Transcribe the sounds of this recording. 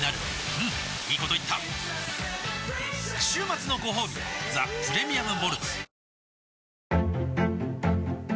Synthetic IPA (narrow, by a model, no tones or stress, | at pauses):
naɾɯ̟ | ɯ̟̃ | iːko̞t̪o̞it̪ːa | ɕɨːmat͡sɨno̞ɡo̞ɦo̞ːbʲḭd͡za̰pɯ̟ɾe̞mʲiamɯ̟mo̞ɾɯ̟t͡sɨ̥